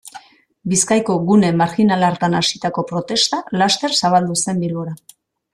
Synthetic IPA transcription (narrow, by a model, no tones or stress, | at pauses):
biskajko̞ɣune̞maɾxinalaɾt̪anasit̪ako̞pɾo̞t̪e̞st̪alast̪e̞ɾsaβ̞ald̪use̞mbilɣoɾa